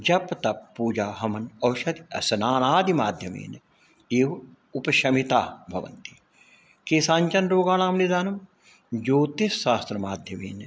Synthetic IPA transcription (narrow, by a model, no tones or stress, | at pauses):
d͡ʒɐpt̪ɐpːuːd͡ʒaːɦɐmɐnɐwʃɐt̪iɐ̰sɐnaːnaːd̪imaːd̪ʱjɐmḛːn | eːʋ | upɐʃɐmit̪aːbʱɐ̰ʋɐ̰nt̪i̥ | keːsaːnt͡ʃɐnɾoːɡaːnaːmnid̪aːnɐm | d͡ʒoːt̪esːaːst̪ɾɐmaːd̪ʱjɐmḛːn